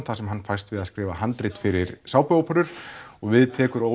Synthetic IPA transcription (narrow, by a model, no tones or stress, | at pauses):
θasɛmɦanːfajst̪vɪðaðskɾɪːvaɦant̪ɾɪt̪fɪɾɪɾ̥saːwpœwapʰœɾʏɾ̥ɔɣvɪðt̪ʰɛːkʏɾo